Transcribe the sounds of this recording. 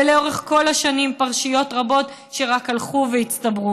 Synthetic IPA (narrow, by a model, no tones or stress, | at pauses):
leo̞ʁeχko̞laʃanimpaʁʃijo̞tʁabo̞t | ʃe̞ʁakalχuveit͡stabʁu